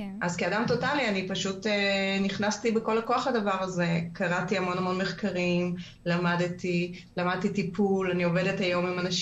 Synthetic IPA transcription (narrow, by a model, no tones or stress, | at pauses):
ʔazkeadamto̞talianipaʃuteniχnastibeko̞lakoaχadavaʁaze̞kaʁatiamo̞namo̞nme̞χkaʁim | lamadti | lamad̪̚titipʰulanio̞ve̞dethajo̞mimanaʃ